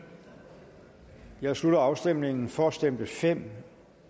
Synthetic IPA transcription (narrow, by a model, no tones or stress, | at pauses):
jɑ̈ɪslud̥ɐɑ̈ʊsd̥em̰ne̝ŋn̩fɒæsd̥em̰b̥əfem̰